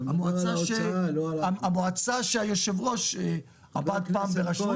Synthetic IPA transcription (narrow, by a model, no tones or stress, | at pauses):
amoat͡saʃeaamoat͡saʃeajoʃevʁo̞ʃe | abad̪̚ppaːmbeʁaʃu